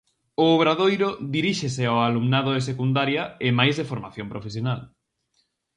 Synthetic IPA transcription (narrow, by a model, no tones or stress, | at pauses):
ʊːβɾaðojɾoðiɾiʃeseaoalumnaðoes̬ekund̪aɾjɐɪmajzðefoɾmaθjompɾofes̬jonal